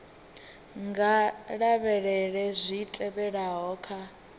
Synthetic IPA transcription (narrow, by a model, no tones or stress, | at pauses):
ŋɡaɺaβɛɺɛɺɛzʷitʼɛβɛɺaɦɔːkʰa